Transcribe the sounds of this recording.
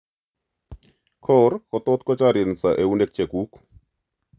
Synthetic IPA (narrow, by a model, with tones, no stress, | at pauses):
kʰɔ˦rkɔ˨t̪ɔ˦t̪̚kɔ˦t͡ʃa˦ɾi˨nt͡sa˨ʔe˨u˦ne˦k̚t͡ʃe˨ku˦k